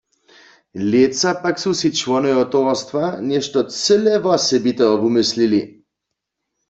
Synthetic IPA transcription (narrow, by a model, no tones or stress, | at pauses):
let̪sapaksusit͡ʃvɔnɔjɔt̪oʋɔst̪ʋanɛʃt̪ɔt͡səlɛvɔsɛbit̪ɛɔbumislili